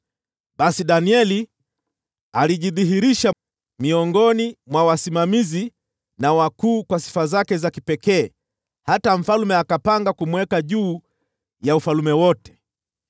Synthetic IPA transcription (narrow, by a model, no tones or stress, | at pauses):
ɓasiɗaniɛli | aliʄiðiɦiɾiʃa | miɔŋɡɔnimwawasimamizi | nawakuːkwasi̥fazakɛzakipɛkɛː | hataɱ̩falumɛakapaŋɡakumwɛkaʄuː | jaufalumɛwɔtɛ̥